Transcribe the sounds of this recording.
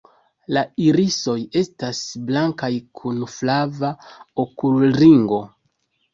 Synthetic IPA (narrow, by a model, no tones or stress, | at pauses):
laiɾiso̞je̞stasblaŋkajkʰunflavaokulɾiŋɡo̞